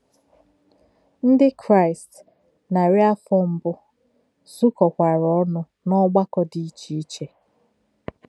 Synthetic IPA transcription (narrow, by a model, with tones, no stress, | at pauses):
n̩˦dɪ˦kʰɾa˦˨ɪ˨st | na˨ɾɪ˦a˦fɔ˦m̩˦bʊ˦ | zu˦kɔ˨kʷa˨ɾɔ˦nʊ˦ | nɔ˦ɡ͡ba˦kɔ˦di˦t͡ʃi˨i˦t͡ʃe˦